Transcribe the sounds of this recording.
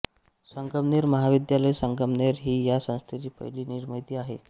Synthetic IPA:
səŋkəmneɾməɦaʋid̪jaləjsəŋkəmneɾɦiːjasə̃w̃st̪ʰet͡ɕiːpə̰ɦliːniɾməɦjt̪iːaɦḛ

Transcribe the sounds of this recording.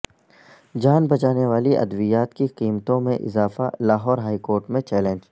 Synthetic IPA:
d͡ʒaːnbɐt͡ʃaːneʋaːliʔɐ̰d̪ʋijaːt̪kiqiːmt̪õmẽʔɪ̰zaːfa̰laːɦɔːɾɦaːikoːɾʈmẽt͡ʃɛːlẽnd͡ʒ

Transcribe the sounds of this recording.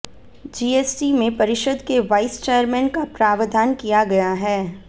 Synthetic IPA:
d͡ʒiːeːsʈimẽpɐɾɪʃəd̪keʋaːɪst͡ʃeːəɾmɛ̃ːnkapɾaːʋd̪ʱaːnkijaɡɐjaɦɛː

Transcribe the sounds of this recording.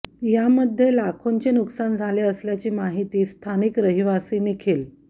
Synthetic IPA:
jaməd̪ʱːjelakʰoɲt͡ɕenuksand͡zʱaleəsljat͡ɕiːmaɦit̪iːst̪ʰanikɾəɦiʋasiːnikʰel

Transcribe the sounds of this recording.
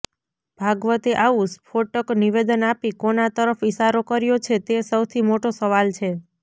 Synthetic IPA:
b̥ʱaɡʋət̪eʔausfʰoʈəkniʋed̪ənapikonat̪əɾəfiʃaɾokəɾjot͡ʃʰet̪esəwt̪ʰimoʈosəʋalt͡ʃʰe

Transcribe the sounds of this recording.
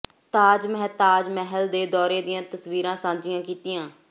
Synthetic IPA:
t̪aːd͡ʒmɛɦt̪aːd͡ʒmɛɦəld̪eːd̪ɔːɾeːd̪ɪjãːt̪əsʋiːɾãːsãːd͡ʒɪjãːkiːt̪ɪjãː

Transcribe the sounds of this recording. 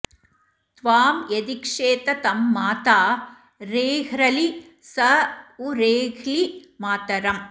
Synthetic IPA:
t̪ʋaːmjed̪ikʂeːt̪ɐt̪ɐmːaːt̪aː | ɾeːɦɾɐli | sɐuɾeːɣlimaːt̪ɐɾɐm

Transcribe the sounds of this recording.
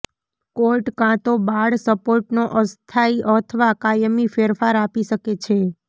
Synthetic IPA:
koɾʈkãt̪obaɽsəpoɾʈnoʔəst̪ʰaiʔət̪ʰəʋakajəmifeɾfaɾapiʃəket͡ʃʰe

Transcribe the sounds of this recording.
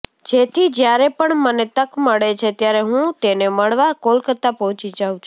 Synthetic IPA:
d͡ʒet̪ʰid͡ʒjaɾepəɳmənet̪əkməɭet͡ʃʰet̪jaɾeɦũt̪eneməɭʋakolkət̪apəɦɔ̃t͡ʃid͡ʒaũt͡ʃʰu

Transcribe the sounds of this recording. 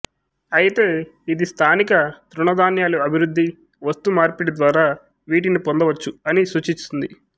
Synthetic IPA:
ɐjit̪e̞ːid̪ist̪ʰaːnikɐt̪ɾuɳɐd̪aːnjaːluɐbʱiɾud̪ʱːi | ʋɐst̪umaːɾpiɽid̪ʋaːɾaː | ʋiːʈ̬inipond̪ɐʋɐt͡ʃːuɐnisuːt͡ʃint͡ʃ̪und̪i

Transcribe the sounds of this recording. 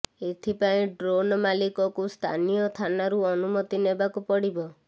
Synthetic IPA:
et̪ʰipaĩɖɾonɔmalikɔkust̪ʰa̰nijɔt̪ʰanaɾuɔnumɔt̪inebakupɔɽibɔ

